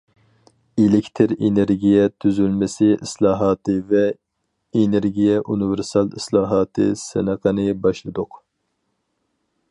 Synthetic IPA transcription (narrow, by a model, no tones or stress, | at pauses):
elɪkʲt̪ʰɪɾeneɾɡʲijɛt̪ʰyzylmɪsɪʔislˠɑːɦɑːt̪ʰɨvɛ | eneɾɡʲijɛʔunɨvɪɾsɑlˠislˠɑːɦɑːt̪ʰɨ̰sɨ̰nəqʰənɨbɑʃlˠɨd̪ʊq